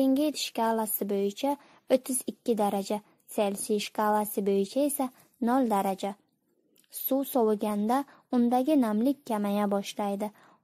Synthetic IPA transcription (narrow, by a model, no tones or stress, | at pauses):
eŋɡʲɪjt̪ʰʃkalˠasɪbojɪt͡ʃʰa | ot̪ʰːɪzɪkʲʰːɪd̪aɾad͡ʒa | selsiʃkalˠasɪbojɪt͡ʃʰae̞sa | nɒlˠd̪aɾad͡ʒa | suwsɒwɡʲand̪a | ʊnd̪aɡʲɪnamlɪk̚ʲʰːamajabɒʃlajd̪ɪ